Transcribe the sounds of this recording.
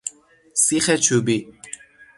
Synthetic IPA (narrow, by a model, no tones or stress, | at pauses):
siχɛt͡ʃʰubi